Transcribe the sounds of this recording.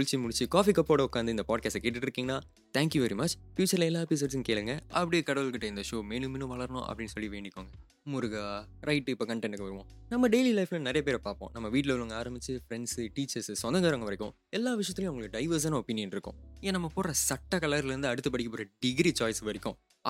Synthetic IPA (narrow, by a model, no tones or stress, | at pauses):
ʊɭɪt͡ʃːimʊɽɪt͡ʃːɯkaːfikɐpːoːɽɐʊkːaːnd̪ɐɪnd̪ɐpaːɖ̚kaːsʈɐkeːʈːɯʈːɪɾɯkːiːŋɡɐnːaː | t̪ʰæaːŋkjuʋɛɾimɐt͡ʃfjuːt͡ʃːɐɾlɐɛlːaːɛpis̬oːɖsɯnkeːɭɯŋɡɐʔɐpːɐɽɪjekɐɽɐʋɯlkɪʈːɐɪnd̪ɐʂoːmeːnɯmɪnʊ̃ʋɐɭɐɾɐnʊ̰̃ʔɐ̰pːɐɽɪnːsɔlːiʋeːɳɖɪkːoːŋɡɐ | mʊɾʊɣaːɾɐɪʈːɯɪpːoːkɐɳʈɛɳɖkɯʋɐɾɯʋõ̰ːnɐmːɐɖeɪlilɐɪflɐnɐɾɐjɐpeːɾpaːɾpõ̰ːnɐmːɐʋiːʈ̬ːɪlɐʋɐɭɯŋɡɐaːɾɐmbɪt͡ʃːɯfɾɛɳɖsɨʈiːt͡ʃːɐɾssɔnd̪ɐɡɐɾɐŋɡɐʋɐɾɪkːʊ̃ | ɛlːaːʋɪʂ̬ɐjɐt̪ːɪlɪj̃ɐʋŋɡɐɭɯkːɯɖɐɪʋɐɾs̬ɐnɐɔpɪnɪjɐnɪɾɯkːʊ̰̃ɪẽnɐmːɐpoːɾɐsɐʈːakɐlaːɾɪlɪɾɯnd̪ɯɐɽɯt̪ːɯpɐɽɪkːɐpoːɾɐɖɪɡɾit͡ʃaːjsʋɐɾɪkːʊ̃